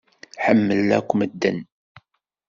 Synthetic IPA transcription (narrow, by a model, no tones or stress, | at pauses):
ħəmːəlæ̰kʷːməd̪ːə̰n